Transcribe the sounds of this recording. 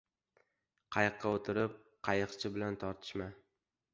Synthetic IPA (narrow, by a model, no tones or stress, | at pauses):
qʰɑjɨqːɑot̪ʰɪɾɪp̚ | qʰɑjɨqt͡ʃʰɪbɪlant̪ʰɒɾt̪ʰɪ̥ʃma